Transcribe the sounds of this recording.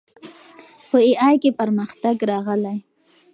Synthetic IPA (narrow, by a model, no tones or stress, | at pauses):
pəɪʔɑjkepaɾməxt̪aɡɾɑɣəlaj